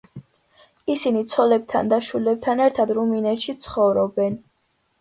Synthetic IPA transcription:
isinit̪sʰɔlɛb̚t̪ʰa̰nd̪aʃilɛb̚t̪ʰanɛɾt̪ʰad̪ɾuminɛt̪ʃit̪sʰχɔvɾɔbɛn

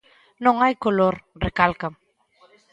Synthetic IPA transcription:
nõŋajkoloɾrekalkam

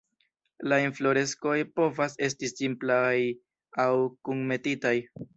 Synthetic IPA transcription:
lainflo̞ɾe̞sko̞jpo̞vase̞stisimplaj | awkuŋme̞titaj

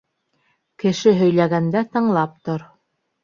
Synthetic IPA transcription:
kɘ̆ʃɘɦɵ̆jlæɡænd̪æt̪ɤ̆ɴlˠɑp̚t̪oɾ

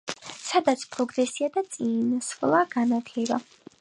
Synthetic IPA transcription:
sad̪at̪sʰpʼɾɔɡɾɛsiad̪at̪sʼinsχlˠaɡ̥anat̪ʰlɛba

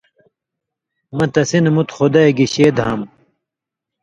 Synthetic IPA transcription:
mɐt̪ɐsinmut̪xod̪ɐeɡiɕeːd̪ɦɐm

